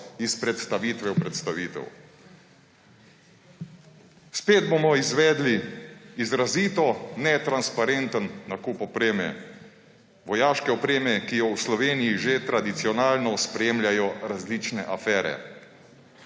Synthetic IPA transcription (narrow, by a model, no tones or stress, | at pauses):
ispɾɛt̪st̪aʋiːt̪ʋɛwpɾɛt̪st̪aʋiːt̪ɛ̰w | speːd̪̚bomɔizʋɛːd̪liizɾaziːt̪ɔnɛt̪ɾanspaɾent̪ənːakupɔpɾeːmɛ̰ | ʋɔjaːʃkɛɔpɾeːmɛkijɔwslɔʋeːnijiʒet̪ɾad̪it̪siɔnaːlnɔspɾeːmlʲjajɔɾazliːt͡ʃnɛʔafɛːɾɛ̰